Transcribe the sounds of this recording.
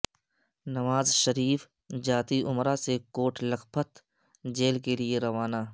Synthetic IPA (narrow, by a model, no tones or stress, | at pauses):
nɐʋaːzʃɐɾiːf | d͡ʒaːt̪iʔʊmɾasekoːʈʰlɐkpʰət̪ | d͡ʒeːlkelieɾɐʋaːnaː